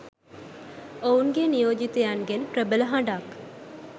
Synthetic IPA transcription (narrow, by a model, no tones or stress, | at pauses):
ouŋɡenijoːd͡ʒit̪ejanɡenpɾəbələɦãɳɖak